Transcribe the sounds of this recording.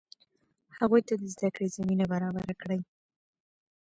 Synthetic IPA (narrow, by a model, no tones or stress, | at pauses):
haɣujt̪ad̪əzd̪akɽezaminabaɾɑbaɾakɽəj